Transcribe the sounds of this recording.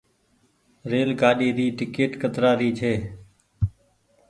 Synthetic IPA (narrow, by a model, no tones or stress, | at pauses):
ɾeːlɡaːɗiːɾiːʈɪkeːʈkət̪ɾaːɾiːt͡ʃʰeː